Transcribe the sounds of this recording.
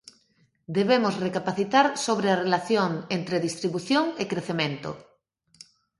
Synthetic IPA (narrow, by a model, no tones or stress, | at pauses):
d̪eβemosrekapaθit̪aɾsoβ̞ɾearelaθjoŋent̪ɾeðist̪ɾiβuθjoŋekɾeθemẽnt̪o̰